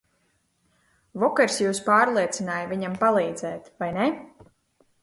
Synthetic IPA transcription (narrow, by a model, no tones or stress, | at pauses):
vɔkɛɾsjuːspaːɾlˠiɛt̪sʲinaːjviɲampalˠiːd̪zɛːt̪vajne